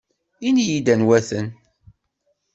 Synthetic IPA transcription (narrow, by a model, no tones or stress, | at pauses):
inijid̪ænwæθən